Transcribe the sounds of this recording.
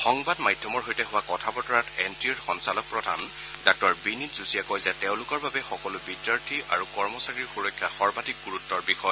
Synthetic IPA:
xɔŋbadmajdʱjɔmɔɹɦojtɛɦʊwakɔtʰabɔtɔɹatɛntiɔɹxɔnsalɔk̚pɹɔdʱa̰n | dak̚tɔɹbinitzusijakɔjzɛteʊ̃lʊkɔɹbabɛxɔkɔlʊbidjaɹtʰiʔa̰ɹukɔɹmɔsaɹiɹxuɹɔkʰːjaxɔɹbadik̚ɡuɹutːɔɹbixɔj

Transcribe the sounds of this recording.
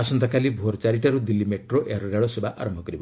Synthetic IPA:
asɔnt̪akalibʱoɾt͡ʃaɾiʈaɾud̪ilːimeʈɾoʔḛaɾɔɾaɭɔsebʱaʔa̰ɾɔmbʱɔkɔɾibɔ

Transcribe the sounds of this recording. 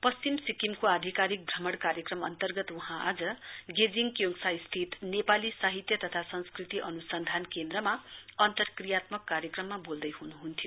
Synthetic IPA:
pʌst͡ɕimsikimkoad̪ʱikaɾik̚ɡʱʌmʌɽkaɾjʌkrʌmʌ̰nt̪ʌrɡʌt̪uɦãʔa̰d͡zʌɡed͡ziŋkjoŋsaist̪ʰit̪nepalisaɦit̪jʌt̪ʌt̪ʰasʌnskrit̪iʔʌnusʌnd̪ʱankend̪rʌmaʌnt̪ʌrkrijat̪mʌkːaɾjʌkrʌmːabold̪ʌjɦunuɦunt̪ʰijo

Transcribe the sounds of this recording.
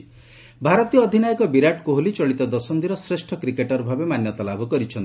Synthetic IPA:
bʱaɾɔt̪ijɔːd̪ʱinajɔkɔbiɾaʈkuɦolit͡ʃɔɭit̪ɔd̪ɔsɔnd̪iɾɔsɾesʈʰɔkɾikeʈɔɾbʱabemanjɔt̪ɔlabʱɔkɔɾit͡ʃʰɔnt̪i̥

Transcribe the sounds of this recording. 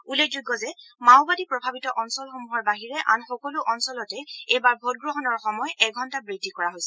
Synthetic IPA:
ulekzujɡːɔzɛmawbadipɹɔbʱabitɔʔɔnsɔlxomuɦɔɹbaɦiɹɛʔa̰nxɔkɔluʔɔnsɔlɔtɛejbaɹbʱot̚ɡɹɔɦɔnɔɹxɔmɔjɛɡʱɔntabɹidʱːikɔɹaɦojsɛ

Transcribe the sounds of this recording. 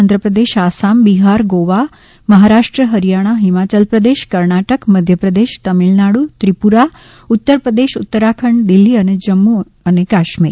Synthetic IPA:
nd̪ɾəpɾəd̪eʃasambiɦaɾɡoʋa | məɦaɾaʂʈɾəɦəɾijaɽ̃aɦimat͡ɕəlpɾəd̪eʃkəɾɳaʈəkməd̪ʱjəpɾəd̪eʃt̪əmilnaɽut̪ɾipuɾa | ut̪ːəɾpɾəd̪eʃut̪ːəɾakʰəɳd̪ilːiəned͡ʑəmːu | ənekaʃmḭɾ

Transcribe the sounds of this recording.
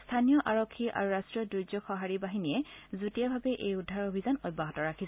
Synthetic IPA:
stʰanijɔʔaɹokʰːiʔa̰ɹuɹastɹiɔdud͡ʒɔxɔɦaɹibaɦinijɛzutijabʱabɛʔejudʱːaɹobʱizanɔjbaɦɔtɔɹakʰis

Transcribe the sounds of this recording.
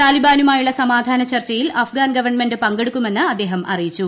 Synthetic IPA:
t̪aːlibaːnumaːjuɭːɐsɐmaːd̪ʱaːnɐt͡ɕɐrt͡ɕːɐjilɐfɡaːnɡɐʋɐrɳme̞ndɨpɐŋɡe̞ɽukʲːume̞nːɨɐd̪ːe̞ːɦɐmʔɐ̰rijit͡ɕːu

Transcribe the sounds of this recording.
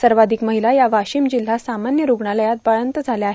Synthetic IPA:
səɾʋad̪ʱikməɦilajaʋaɕiːmd͡ʑil̤ːasamanjəɾuɡɳaləjat̪̚baɭənt̪əd͡zʱaljaːɦe

